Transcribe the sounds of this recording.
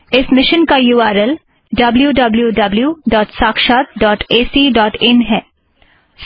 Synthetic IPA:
ɪsmɪʃənkajuːaːɾel | ɖɐbljuːɖɐbljuːɖɐbljuːɖɔːʈsaːkʃaːt̪̚ɖɔːʈeːsiːɖɔːʈɪnɦɛː

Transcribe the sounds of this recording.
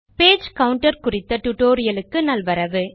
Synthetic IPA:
peːd͡ʒkɐʋʊɳʈɐɾkʊrɪt̪ːɐʈʊʈoːɾɪjɐlɯkːɯnɐlʋɐɾɐʋɯ

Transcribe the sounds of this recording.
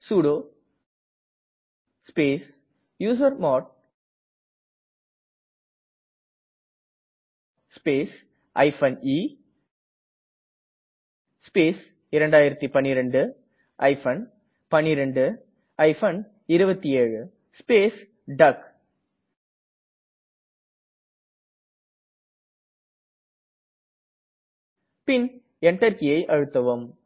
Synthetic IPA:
suːɽoː | speːs | juːs̬ɐɾmɔːʈ̚ | speːs | ʔɐ̰ɪfɐniː | speːs | ɪɾɛɳɖaːjɪɾɐt̪ːipɐnːɪɾɐɳɖɯ | ʔɐɪfɐn | pɐnːɪɾɐɳɖɯ | ɐɪfɐn | ɪɾɯbɐt̪ːieːɻɯ | speːs | ɖɐk | pɪn | ɛɳʈːɐɾkɪjɐɪʔɐɻɯt̪ːɐʋɯm

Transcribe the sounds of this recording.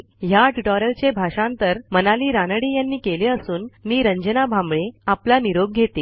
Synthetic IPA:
ɦjaʈuʈɔɾəlt͡ɕebʱaʂãnt̪əɾmənaliːɾanəɽiːjanːiːkeleəsuːnːiːɾəɲd͡ʑənabʱãmbɭeaplaniɾoɡ̚ɡʱet̪iː

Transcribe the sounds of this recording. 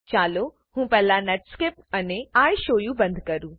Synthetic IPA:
t͡ʃaːlo | hũːpɛːlãnɛʈskɪp̚ɐneaːiʃoːjũbɐ̃nd̪ʱkɐɾũː

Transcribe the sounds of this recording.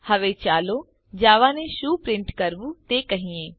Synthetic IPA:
həʋeːt͡ʃaːloː | d͡ʒaːʋãːneːʃuːpɾɪɳʈkəɾbuːt̪eːkəɦĩːẽː

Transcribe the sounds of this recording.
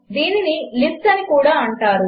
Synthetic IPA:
d̪iːninilifʈɐnikuːɽaːɐɳʈaːɾu

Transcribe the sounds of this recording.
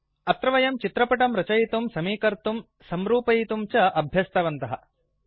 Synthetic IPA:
ɐt̪ɾɐʋɐjɐmt͡ʃit̪ɾɐpɐʈɐmɾɐt͡ʃɐjit̪umsɐmiːkɐɾt̪um | sɐmɾuːpɐjit̪umt͡ʃɐʔɐbʱjɐst̪ʰɐʋɐnt̪ɐɦɐ

